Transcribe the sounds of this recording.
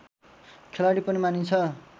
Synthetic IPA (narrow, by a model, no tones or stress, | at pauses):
kʰelaɽipʌnimanint͡sʰʌ